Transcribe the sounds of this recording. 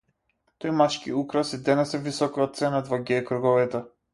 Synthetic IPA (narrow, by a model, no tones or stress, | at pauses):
t̪ɔjmat͡ʃkiukɾasid̪ɛnɛsɛvisɔkat̪̚sɛnad̪vaɡʲɛkɾuɡɔvɛt̪ɛ